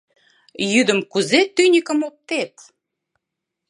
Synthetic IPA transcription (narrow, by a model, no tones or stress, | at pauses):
jyd̪əmkuzet̪ynʲəkəmop̚t̪et̪